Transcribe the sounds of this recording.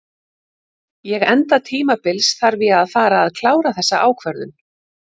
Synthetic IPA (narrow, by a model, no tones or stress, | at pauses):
jɛɣɛnt̪at̪ʰiːmapɪlsθaɾvɪaðfaːɾaːðkʰlaːwɾaθɛsːa̰ʔaːwkʰvɛɾðʏn